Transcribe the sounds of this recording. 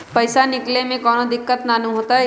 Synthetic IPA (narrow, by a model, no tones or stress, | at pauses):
pɐɪsanɪklemẽkɔːnod̪ɪkːət̪nanũɦoːt̪aɦɛ